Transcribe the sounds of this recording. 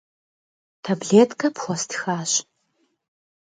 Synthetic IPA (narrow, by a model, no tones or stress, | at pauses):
tʰɐbɮeːtkʰɐpxʷɔstʰxaːɕ